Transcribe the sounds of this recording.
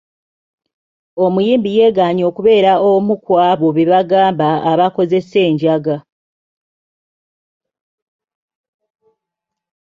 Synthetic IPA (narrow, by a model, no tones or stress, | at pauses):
o̞mujiːmbije̞ːɡaːɲo̞ːkuβe̞ːɾaomukwaːβo̞βiβaɡaːmbaːβako̞ze̞se̞ːɲɟaɡa